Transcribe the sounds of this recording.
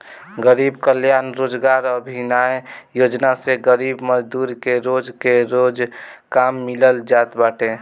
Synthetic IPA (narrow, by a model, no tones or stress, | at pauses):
ɡəɾiːbkəljaːnɾoːd͡ʒɡaːɾəbʱinajjoːd͡ʒnaseɡəɾibməd͡ʒd̪uːɾkeɾod͡ʒkeɾoːd͡ʒkamːɪləld͡ʒaːt̪baːʈʰẽ